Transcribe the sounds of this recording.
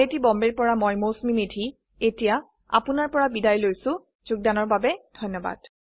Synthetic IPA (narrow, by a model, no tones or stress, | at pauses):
etibɔmbeɹpɔɹamojmosmimedʱi | etija | a̰pʊnaɹpɔɹabidajlojsʊ̃ | z̥uɡ̚danɔɹbabɛd̥ʱɔjnːɔba̰d̥